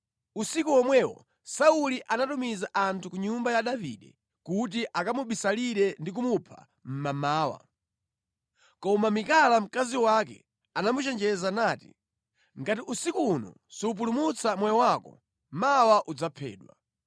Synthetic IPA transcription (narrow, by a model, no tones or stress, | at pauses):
usikuɔmwɛwɔ̰ | sauliʔanatumizaʔantʰukuɲumbajaɗavḭɗɛ̰ | kut̬iʔakamuɓisaliɾɛndik̬umupʰa̰ | m̩mamaːwa̰ | kɔmamikalam̩kaziwakɛ̰ | anamut͡ʃɛnd͡ʒɛzanaːtḭ | ŋɡatiʔusikuːnɔ̰ | siup̬ulumut͡samwɛjɔwakɔ̰ | mawaʔud͡zapʰɛ̰ːɗwa̰